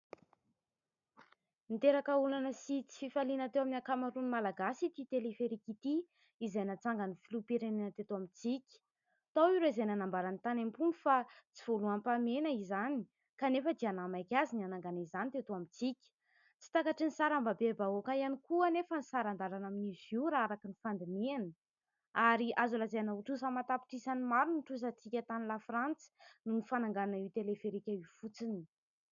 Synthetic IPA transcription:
nt̪eɾakəulanəsit͡si̥fifalinat̪ewaminiakamaɾunimalaɡasit̪it̪elifeɾikit̪i | izajnat͡saŋɡanifilupeɾenanət̪et̪oamit͡sikʲi̥ | t̪awiɾeizajnanambaɾanit̪anampunifat͡sivoluampamenəizani̥ | kanefəd̪ianamajkʲazinanaŋɡanizanit̪et̪uamit͡sikʲə̥ | t͡si̥t̪akaʈ͡ʂinisaɾambabebaokaianikuənefənisaɾand̪aɾanaminiziuɾaaɾakinifand̪inianə | aɾiʔazulazeanauʈ͡ʂusamat̪api̥ʈ͡ʂisanimaɾunʈ͡ʂusat͡sikʲat̪anilafrant͡si̥nunifanaŋɡananaiwt̪elefeɾikʲaifut͡sini̥

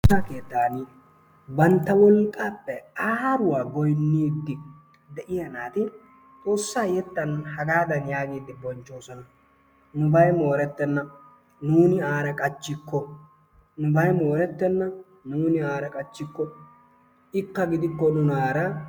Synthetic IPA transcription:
aːkeːt̪ːaːniː | bɐnt̪ːɐwɔlkʼːaːpːɛaːɾʊwaːɡɔjnːiːd̪ːɪ | d̪ɛʔɪjɐnaːt̪ɪ | t̪ʼo̞ːsːaːjɛt̪ːɐnhɐɡaːd̪ɐnjaːɡiːd̪ːɪbɔnt͡ʃːo̞ːsɔnɐ | nʊbɐjmo̞ːɾɛt̪ːɛnːɐ | nuːnɪaːɾɐkʼɐt͡ʃːɪkːɔ | nʊbɐjmo̞ːɾɛt̪ːɛnːɐ | nuːnɪaːɾɐkʼɐt͡ʃːɪkːɔ | ɪkːɐɡɪd̪ɪkːɔnʊnaːɾɐ

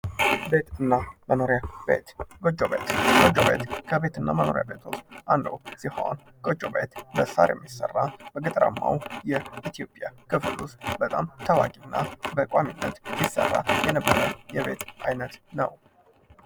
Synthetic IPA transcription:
be̞t̪ɨnːaməno̞ɾjabe̞t̪ɡod͡ʒoβe̞t̪ɡ̥od͡ʒoβbe̞t̪kʰəβe̞t̪ɨnːaməno̞ɾjabe̞t̪ʰosʔand̪əwsiho̰n | kʼod͡ʒʼobe̞t̪bəsa̰ɾjɛmːisərːabəɡɨt̪ʼəɾa̰mːawjɛit̪ʰijo̞pʼjakʰɨfɨlusbət̪ʼamt̪ʰəwakʼinːʔabəkʼaminːət̪sisːə̰rːajɛnəbːəɾəjɛβe̞t̪ʔajnət̪nəw

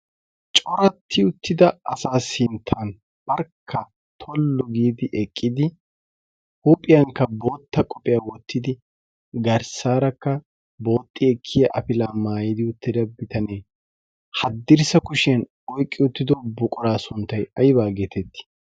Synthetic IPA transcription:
t͡ʃʼɔɾɐt̪ʰːɪʊt̪ːɪd̪ɐɐsaːsɪnt̪ʰːɐn | b̥ɐɾkʰːɐ | t̪ʰɔlːɔɡiːd̪ɪʔɛkʼːɪd̪ɪ | huːpʼɪjɐŋkːɐbo̞ːt̪ːɐkʼɔpʼɪjaːwɔt̪ːɪd̪ɪ | ɡɐɾsaːɾɐkːɐ | bo̞ːt̪ʼːɪɛkʰːɪjɐʔɐpɪlaːmaːjid̪ɪʊt̪ːɪd̪ɐbɪt̪ɐneː | hɐd̪ːɪɾsɐkʊʃɪɐn | ɔjkʼːɪʊt̪ːɪd̪ɔbʊkʼɔɾaːsʊnt̪ːɐjɐjbaːɡeːt̪ɛt̪ːɪ̥

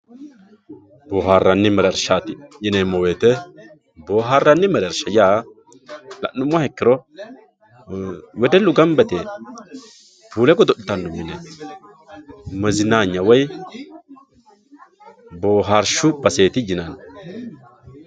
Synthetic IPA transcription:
boːɦaːrːɐnːɪmɛɾɛɾʃaːt̪ɪjɪnemːɔweːt̪ɛ | boːɦaːrːɐnːɪmɛɾɛɾʃɐjaː | lɐ̰nːʊmːɔhɛkːɪɾɔ | wɛd̪ɛlːʊɡɐmbɛt̪e | puːlɛkɔd̪ɔɗɪt̪ɐnːʊmːɪnɛ | mɛzɪnaːɲːɐwɔj | boːɦaɾʃʊb̥ɐse̞ːt̪ɪd͡ʒɪnɐn

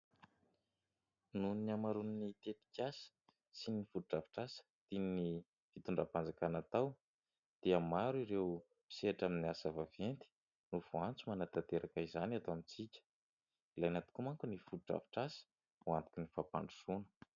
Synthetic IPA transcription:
nuniamaɾuninit̪et̪i̥kʲasə̥ | sinifuɾuʈ͡ʂavi̥ʈ͡ʂasə̥d̪̥inini | v̥it̪uɳɖ͡ʐapand͡zakanat̪aw | d̪̥iəmaɾuiɾew | pi̥seaʈ͡ʂaminiasavavent̪i̥ | nuvuant͡sumanat̪at̪eɾʔakəizanat̪aamit͡sikʲə̥ | ilajnat̪i̥kumaŋkunifuuʈ͡ʂa̰vi̥ʈ͡ʂasə̥ | uant̪u̥kʲinifapa̰ɳɖ͡ʐusunə̥

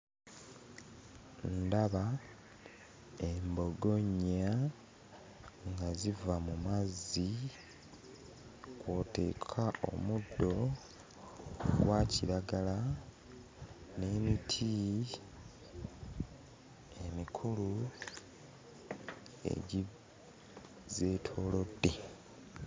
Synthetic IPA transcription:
ndaβa | embo̞ɡo̞ɲa | ŋɡazivamumazi | kwote̞̰ːkʰao̞̰mudːo̞ | ɡwaciɾaɡala | ne̞ːmitʰi | emikʰulu | ḛɟi | ze̞tʰo̞ːlo̞dːe

